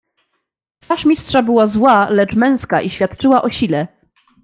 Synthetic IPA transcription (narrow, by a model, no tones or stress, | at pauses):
t̪faʂmʲistʂabɘwazwalɛt͡ʂmɛ̃w̃skaʔiɕfʲjat̪t͡ʂɘwaʔɔɕilɛ